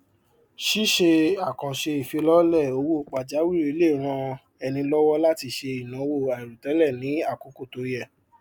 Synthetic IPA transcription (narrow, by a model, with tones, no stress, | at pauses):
ʃi˦ʃe˧a˦˨kã˨ʃe˧i˨fi˧lɔ˦lɛ˦˨o˧wo˦˨k͡pa˨d͡ʒa˨˦wi˦˨e˧le˦˨ɾ̃ã˧ | ɛ˧nĩ˧lɔ˦wɔ˦la˦ti˧ʃe˧i˨nã˨˦˧wo˦˨a˨i˨ɾu˨tɛ˨˦lɛ˦˨nĩ˨˦a˦˨ko˨ko˦˨to˨jɛ˦˨